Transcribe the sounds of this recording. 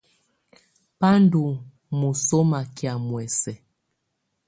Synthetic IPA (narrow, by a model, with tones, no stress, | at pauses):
pa˦ndu˨ | mu˨so˦ma˨kja˨mwɛ˨sɛ˨